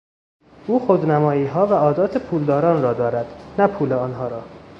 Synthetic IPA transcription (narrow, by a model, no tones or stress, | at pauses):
uːxod̪næmɒːjiːɦɒːvæɒːd̪ɒːt̪ʰepʰuːld̪ɒːɾɒːnrɒːd̪ɒːɾæd̪̥næpʰuːleɒːnɦɒːɾɒː